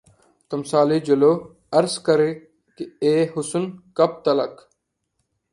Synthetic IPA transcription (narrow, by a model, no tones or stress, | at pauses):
t̪ɐmsaːliːd͡ʒɐloː | ɐɾskəɾeː | kieːɦʊsʊnkɐp̚t̪ɐlɐk